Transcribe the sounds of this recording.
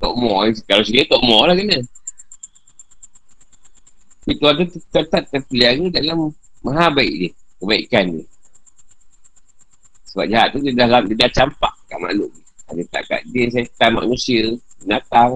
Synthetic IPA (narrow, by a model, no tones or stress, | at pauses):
t̪ɔ̰ʔmɔikalasiɡət̪ɔʔmɔlaɡənə | sit̪uant̪̬ut̪t̪ət̪at̪̚ːəpliaɣidalamːaɦabaiʔdikəbaḭʔkandi | səba̰p̚d͡ʒaɦat̪̚ːut̪idahlamdidaht͡ʃampaʔkaʔma̰luʔɡiadit̪a̰ʔka̰ʔdins̬at̪ama̰ʔnusiəd͡ʒənat̪aŋ